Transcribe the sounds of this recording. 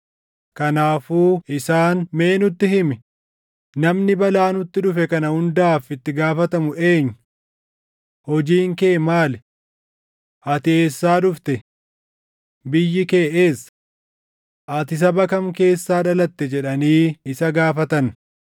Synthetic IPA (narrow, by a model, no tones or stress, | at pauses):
kɐnaːfuːɪsaːnme̞ːnʊt̪ːɪhɪmɪ | nɐmnɪbɐlaːnʊt̪ːɪᶑʊfɛkɐnɐhʊnd̪aːfɪt̪ːɪɡaːfɐt̪ɐmʊʔe̞ːɲː | hɔd͡ʒiːŋkeːmaːlɛ | ʔɐt̪ɪeːsːaːᶑʊft̪ɛ | bɪjːɪke̞ːʔeːs | ʔɐt̪ɪs̬ɐbɐkɐmke̞ːsːaːᶑɐlɐt̪ːɛd͡ʒɛᶑɐniːɪsɐɡaːfɐt̪ɐn